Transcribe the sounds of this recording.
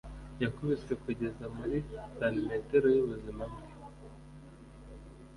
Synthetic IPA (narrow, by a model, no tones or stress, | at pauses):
jakomesekuɟe̞zamuɾidanimeteɾojuβuzimabɡe